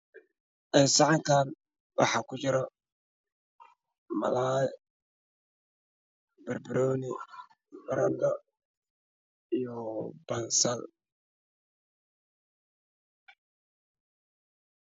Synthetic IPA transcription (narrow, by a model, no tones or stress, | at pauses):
ʔɛnsɑʕɑŋkʰaːn | wɑ̰ħɑːkʰʊt͡ʃɪɾɔ | mɐ̰laːj | b̥ɐrbɪɾɔːnɪ | bɐɾɐnd̪ɔ | ijɔbɐnsɐl